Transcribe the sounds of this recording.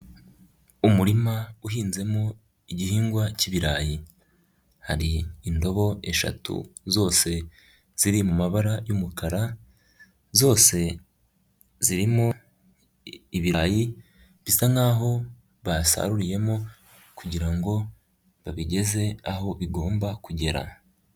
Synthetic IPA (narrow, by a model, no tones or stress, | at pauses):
umuɾimauɦiːnze̞mo | iɟihiːŋɡwaciβiɾaːji | haɾiːndo̞βo̞e̞ʃa̰tṵzo̞ːse̞ | z̥iɾimumaβaɾajumukʰaɾa | zo̞ːse̞ | ziɾimo | iβiɾaji | βisaŋaːɦo̞ | βasa̰ɾuɾije̞mo | kuɟiɾaŋɡo̞ | βaβiɟe̞ze̞aɦo̞βiɡo̞ːmbakuɟe̞ɾa̰